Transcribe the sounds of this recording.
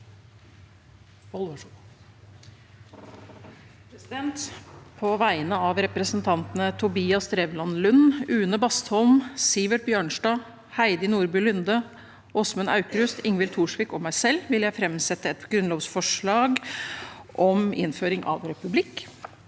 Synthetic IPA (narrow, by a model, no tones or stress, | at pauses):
pʰɾɛsɪd̪ɛnt̪pʰɔʋæɪnəɑʋɾɛpɾəsənt̪ʰɑnt̪ənət̪ʰʊbiːɑst̪ɾeːʋlɑnlʉnːʉːnəbɑst̪hɔlmsɪʋəʈ̚bjøːɳʂɖɑː | hæɪd̪ɪnuːɾbʏːlʏnd̪ə | ɔsmʉnɑ̰ʉkɾʉst̪ʰɪŋʋɪlt̪ʰuːʂʋiːkɔmæɪsɛlʋɪljæɪfɾɛmsɛt̪əɛt̪ɡɾʉnloːʋsfɔʂɭɑːɡ | ʔɔmɪ̰nføːɾɪŋʔɑ̰ʋɾɛpʉblɪkː